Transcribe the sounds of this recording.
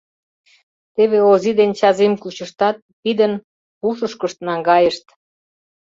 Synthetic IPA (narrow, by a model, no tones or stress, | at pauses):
t̪eβeozid̪ent͡ɕɑzemkut͡ɕəʃt̪ɑt̪̚ːid̪ən | puʃəʃkəʃt̪nɑŋɡɑjəʃt̪